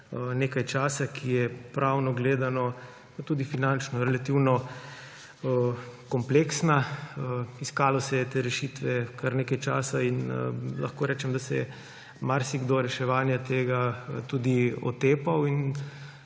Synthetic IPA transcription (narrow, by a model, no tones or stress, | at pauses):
neːkajt͡ʃaːsakʰijɛpɾʔawnɔɡleːd̪anɔ | pat̪ud̪ifinant͡ʃnɔɾɛlat̪iwnɔ | kɔmpleːksnaəiskaːlɔsɛjɛt̪eːɾɛʃit̪ʋɛkaɾneːkajt͡ʃaːsainlʔa̰xkoːɾɛːt͡ʃɛmd̪asɛɛ | maɾsiɡd̪oɾɛʃɛʋaːnjat̪eːɡat̪ud̪iɔ̰t̪eːpawin